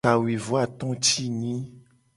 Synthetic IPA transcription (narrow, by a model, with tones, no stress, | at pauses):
a˨wi˨vo˦a˦˨t̪ɔ̃˦t͡ɕi˦ɲĩ˦